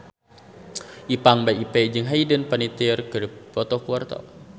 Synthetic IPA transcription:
ʔipaŋbaʔipɛd͡ʒɨŋɦajdənpənit̪irkərpɔt̪ɔkuart̪ɔ̰

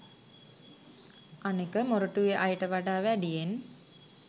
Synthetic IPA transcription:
anekəmoɾəʈuʋeʔajʈəʋaɖaːʋæɖijen

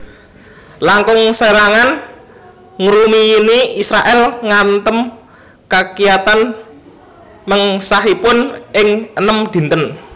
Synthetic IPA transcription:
laŋkʊŋseɾaŋan | ŋɾumiːniisɾaʔɛlŋant̪əm | kakijat̪an | məŋsaɦipʊnʔɪŋənəmd̪̥i̤nt̪ən

